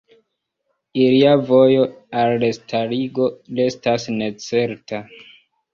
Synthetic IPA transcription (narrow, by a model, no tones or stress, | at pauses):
iliavo̞jo̞alːestʰaɾiɡo̞le̞stasne̞t͡se̞ɾta